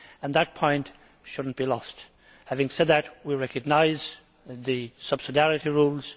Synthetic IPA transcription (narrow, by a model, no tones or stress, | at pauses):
ə̃nðət̚pʰɔ̃ɪ̃nt | ʃʊdⁿn̩b̥ilɔst | hævɪ̃ŋsɛd̪̚ðɨt̚wiɹɛkɨɡ̚naɪz | ðɨsʌb̥sɨdæɹɨɾiɹulˠz̥